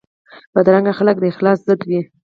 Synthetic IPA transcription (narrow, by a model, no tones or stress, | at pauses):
b̥ad̪ɾaŋɡaxalək̚d̪əɪxlɑszəd̪wi